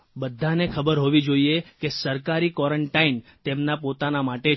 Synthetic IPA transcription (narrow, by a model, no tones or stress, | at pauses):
bəd̪ʱːanekʰəbəɾɦoʋid͡ʒoiekesəɾkaɾikɔɾəɳʈaint̪emnapot̪anamaʈe